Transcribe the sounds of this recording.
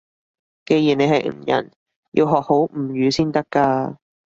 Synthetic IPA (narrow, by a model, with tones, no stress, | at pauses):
ke˧jiː˨˩ne˨˧ɦɐ˨jŋ̩˨˩jɐ̰˨˩n | jḭ˧wɦɔː˨k̚ho˨˥wm̩˨˩jyː˨˧siː˥nt̪ɐ˥kːaː˧